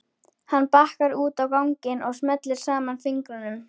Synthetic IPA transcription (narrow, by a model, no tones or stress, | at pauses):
hanːpahkaɾuːt̪awkawŋcɪnɔɣsmɛt̪lɪɾ̥saːmanfɪŋkɾʏnʏm